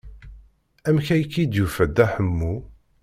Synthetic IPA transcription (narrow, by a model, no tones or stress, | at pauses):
æmçæjkːid̪jufæd̪ːæħəmːu